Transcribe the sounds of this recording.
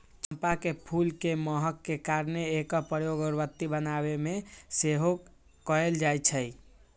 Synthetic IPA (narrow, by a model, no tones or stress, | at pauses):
t͡ʃəmpakepʰulkeməɦəkːekaɾneːkɔpɾəjoɡɔɾbət̪ːibənabemeseɦo | kɔeld͡ʒajt͡ʃʰəj